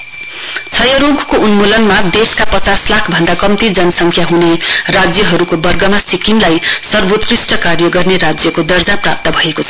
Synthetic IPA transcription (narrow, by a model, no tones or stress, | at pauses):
t͡sʰʌjʌɾoɡkounmolʌnmad̪eskapʌt͡saslakʰbʱʌnd̪akʌmt̪id͡zʌnʌsʌŋkʰjaɦunerad͡zjʌɦʌɾukobʌrɡʌmasikinlajsʌrbot̪risʈʌkarjʌɡʌrneɾad͡zjʌkod̪ʌrd͡zaprap̚t̪ʌbʱʌekot͡sʰʌ̥